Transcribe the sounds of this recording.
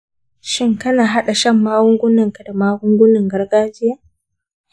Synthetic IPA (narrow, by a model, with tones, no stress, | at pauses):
ʃɪ˦ŋkɐ˦naː˨ɦa˦ɗa˨ʃɐ˦˨mːaː˦wʊ˦ŋɡʷʊ˦nɐ˨ŋka˨da˨maː˦ɡʊ˦ŋɡʷʊ˦nɪ˨ŋɡɐ˦rɡaː˦d͡ʒɪ˦jaː˦